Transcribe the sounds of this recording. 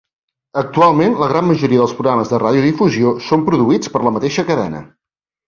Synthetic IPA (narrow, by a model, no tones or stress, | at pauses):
ək̚t̪ualˠmenləɣɾamməʒuɾiəðəlˠspɾuɣɾaməzðəraðjuðifuziosompɾuðuit͡spəɾləmət̪eʃəkəðɛ̰nə̰